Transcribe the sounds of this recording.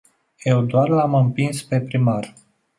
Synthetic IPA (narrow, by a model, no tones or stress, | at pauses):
jewd̪oarlamɨmpinspe̞pɾimar